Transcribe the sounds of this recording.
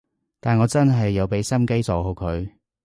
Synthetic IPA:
t̪aː˨nŋɔː˨˧t͡sɐ˥nɦɐ˨jːɐ˨˧wpe˨˧˥jsɐ˥mke˥jt͡sɔː˨˧ho˨˧wkʰɵ˨˧ɥ

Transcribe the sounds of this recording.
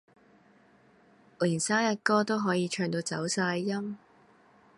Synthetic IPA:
liː˨˩nsaː˥jɐ˨t̚kɔː˥t̪o˥wɦɔː˨˥jiː˨˧t͡ʃʰœː˧ŋt̪o˧wt͡sɐ˨˥wsaː˧jːɐ˥m

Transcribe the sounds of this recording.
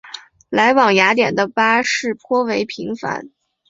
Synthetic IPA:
la˧˥ɪwɑ˨˩ŋja˧˥t̪jɛ̰˨˩nd̪ə˦pa˥ʂɻ̩˥˩pʰwɔ˥we˧˥ɪpʰi˧˥ŋfa̰˧˥n

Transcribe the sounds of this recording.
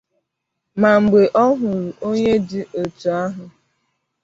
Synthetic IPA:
ma˨ŋ͡m̩˨ɡ͡be˨ʔɔ˦ɦʊ˨ɾu˨ʔo˦ɲe˦dɪ˦ʔo˨tu˨a˦ɦʊ˨

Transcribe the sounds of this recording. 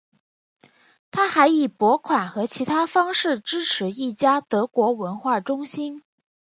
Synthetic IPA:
t̪ʰa˥xa˧˥ɪi˨˩pwɔ˧˥kʰwa˨˩nxɤ˧˥t͡ɕʰi˧˥t̪ʰa˥fɑ˥ŋʂɻ̩˥˩ʈ͡ʂɻ̩˥ʈ͡ʂʰɻ̩˧˥i˥˩t͡ɕja˥t̪ɤ˧˥kwɔ˧˥wə˧˥nxwa˥˩ʈ͡ʂʊ˥ŋɕi˥n

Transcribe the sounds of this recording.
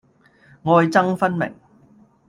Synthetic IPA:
ŋɔː˧jt͡sɐ˥ŋfɐ˥nmɪ̰˨˩ŋ

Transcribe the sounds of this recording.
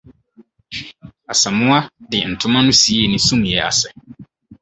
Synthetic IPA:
a˨sa˨mʊ̃˦a˦dɪ˨n̩˨tʰʊ˦mã˦nũ˦si˨˦e˦˨nĩ˦sũ˦m˨jɛ˦ʔa̰˨sɛ˨

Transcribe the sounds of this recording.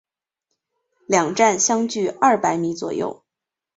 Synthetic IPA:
ljɑ˨˩ŋʈ͡ʂa˥˩nɕjɑ˥ŋt͡ɕy˥˩ɐ˥˩pa˧˥ɪmi˧˥t͡swɔ̰˨˩jo̰˥˩ʊ

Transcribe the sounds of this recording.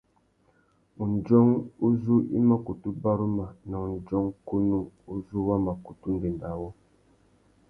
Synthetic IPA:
u˨n˨d͡ʒɔ˦ŋu˦zu˦ḭ˦ma˦ku˨tu˦ba˦ɾu˦ma˨na˨u˨n˨d͡ʒɔ˦ŋku˦nu˦u˦zu˦wa˦ma˨ku˨tu˦n˦de˨nda˨wɔ˦

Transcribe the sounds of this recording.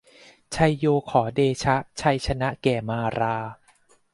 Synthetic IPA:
t͡ɕʰa˧jːoː˧kʰɔː˩˦deː˧t͡ɕʰa˦˥ʔt͡ɕʰa˧jt͡ɕʰa˧na˦˥ʔkɛː˨˩maː˧ɾaː˧

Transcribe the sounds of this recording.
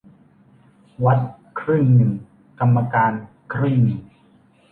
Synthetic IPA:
wa˦˥t̪̚kʰɾɯ˥˩ŋnɯ˨˩ | ka˧mːa˧kaː˧n | kʰɾɯ˥˩mi˨˩

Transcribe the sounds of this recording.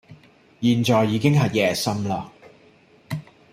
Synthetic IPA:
jiː˨nt͡ʃɔː˨jːiː˨˧kɪ˥ŋɦɐ˨jːɛː˨˩sɐ˥mlaː˧

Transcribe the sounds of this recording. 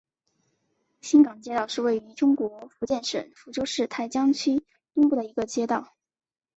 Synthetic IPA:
ɕi˥ŋkɑ˨˩ŋt͡ɕjɛ˥t̪ɑ˥˧ʊʂɻ̩˥˧we˥˩ɪy˧˥ʈ͡ʂʊ˥ŋkwɔ˧˥fu˧˥t͡ɕjɛ˥˩nʂə̰˨˩˦nfu˧˥ʈ͡ʂo˥ʊʂɻ̩˥˩t̪ʰa˥˩ɪt͡ɕjɑ˥ŋt͡ɕʰy˥ | t̪ʊ˥ŋpu˥˩d̪ə˩i˧˥ɡə˧t͡ɕjɛ˥t̪ɑ˥˩ʊ

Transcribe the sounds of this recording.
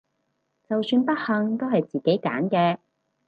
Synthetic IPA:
t͡sɐ˨wsyː˧npɐ˥t̚hɐ˨˧ŋt̪o˥wɦɐ˨jt͡siː˨˩ke˨˥jka̰ː˨˥nkɛː˧

